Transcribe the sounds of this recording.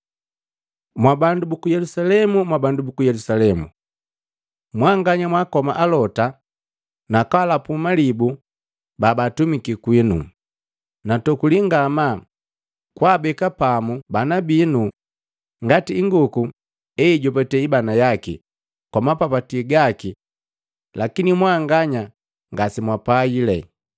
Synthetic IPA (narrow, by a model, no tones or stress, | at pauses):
mwabandubukujɛlusalɛmumwabandubukujɛlusalɛmṵ | mwaŋɡaɲamwakɔma̰ʔalɔta | nakalapumalibu | babatumikikwinṵ | natɔkuliŋɡama | kwaːbɛkapamubanabinu | ŋɡatiːŋɡuku | ɛiɟɔpɛtɛibanajakḭ | kwɔmapapatiɡaki | lakinimwaŋɡaɲa | ŋɡasimwapailɛ